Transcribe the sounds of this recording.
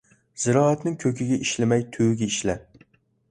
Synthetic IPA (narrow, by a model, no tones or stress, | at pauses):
z̥ɪɾɒːat̪nɪŋkʲʰɵkʲɪɡʲaʔɪʃlɪmajt̪ʰuɡʲaiʃla